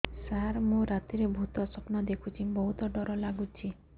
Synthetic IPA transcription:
saɾmũɾat̪iɾebʱut̪ɔsɔpnɔd̪ekʰut͡ʃʰibɔɦut̪ɔɖɔɾɔlaɡut͡ʃʰi

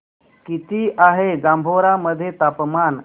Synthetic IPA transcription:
kit̪iːʔaɦeɡãmbʱoɾaməd̪ʱːjet̪apman

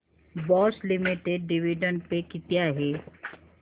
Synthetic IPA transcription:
bɔːslɪmɪʈeɖːɪʋiɖəɳɖpekɪt̪jaɦɛː

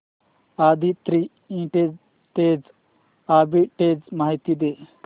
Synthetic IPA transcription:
ad̪ʱit̪ɾi | ĩʈed͡z | ʈed͡z | abiʈed͡zmaːɦit̪id̪e

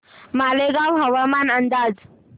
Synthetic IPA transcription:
maːleɡawɦɐwamanɐnd̪aːz

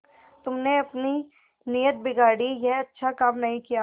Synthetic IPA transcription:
t̪ʊmneɐpni | niːjət̪̚bɪɡaːɽijɛɦɐtːʃʰakaːmnɐɦĩkija

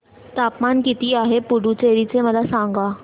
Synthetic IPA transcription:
t̪apmankit̪iːaɦepuɽut͡seɾit͡seməd̪asãŋɡa

